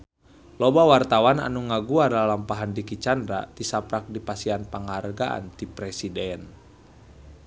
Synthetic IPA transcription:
lɔbawart̪awana̰nuŋaɡuardalampaɦandikit͡ʃandɾa̰t̪isapɾak̚dipasianpaŋarɡaʔa̰nt̪ipɾɛsidɛn

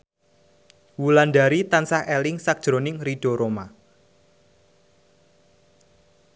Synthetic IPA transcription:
wulanɖaɾit̪ansahɛlɪŋsak̚d̥ʒ̥ɾonɪŋriɖ̥oɾoma

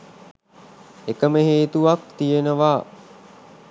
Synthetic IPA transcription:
ekəməɦeːt̪uʋak̚t̪ijenəʋaː

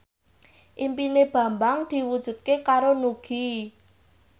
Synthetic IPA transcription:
ʔimpineb̥ä̤mbaŋd̪̥i̤wud̥ʒ̥ṳt̪̚kekaɾonuɡ̥i

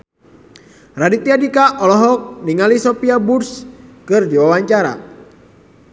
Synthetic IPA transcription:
radit̪iadikaʔɔlɔɦɔk̚niŋalisopiaburskɨrd͡ʒiwawaɲt͡ʃaɾa̰

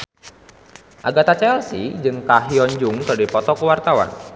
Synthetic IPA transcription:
ʔaɡat̪at͡ʃɛlsḭd͡ʒɨŋkaɦiɔɲd͡ʒʊŋdadipɔt̪ɔkəwart̪awa̰n

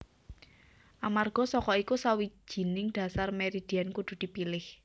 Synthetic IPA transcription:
ʔamarɡ̥ɔ̤sɔkɔikusawi̥d͡ʒʒ̥i̤nɪŋd̪̥ä̤sarmeɾid̪̥i̤ɛnkud̪̥ṳd̪̥i̤pilɪh

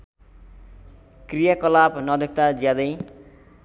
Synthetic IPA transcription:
krijakʌlabnʌd̪ʌk̚t̪ad͡zjad̪ʌj

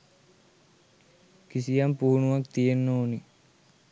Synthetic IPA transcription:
kisijampuːunuʋakt̪ijenːoːni

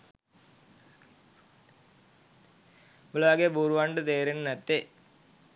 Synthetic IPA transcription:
blaːɡebuːɾʋaːɳɖɨt̪eːɾennɐt̪ːe

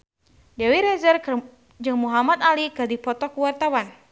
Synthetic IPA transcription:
dɛwiɾɛzər | d͡ʒɨŋmuɦamat̪alikɨrdipɔt̪ɔkuwart̪awan

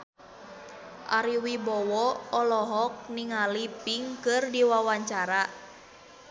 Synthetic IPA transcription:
ʔaɾiwibɔwɔɔlɔɦɔk̚niŋalipiŋkɨrdiwawaɲt͡ʃaɾa

